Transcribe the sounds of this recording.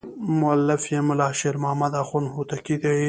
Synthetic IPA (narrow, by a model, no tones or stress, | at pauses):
mʊalːɪfjemʊlɑːʃeɾmamad̪axunhut̪akid̪e